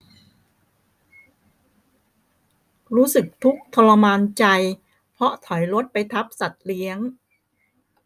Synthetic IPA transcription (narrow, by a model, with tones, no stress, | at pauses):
ɾuː˦˥sɯ˨˩k̚t̪ʰu˦˥k̚t̪ʰɔː˧la˧maː˧nt͡ɕa˧j | pʰɾɔ˦˥t̪ʰɔ˩˦jɾo˦˥t̪̚pa˧jt̪ʰa˦˥p̚sa˨˩t̪̚li˦˥əŋ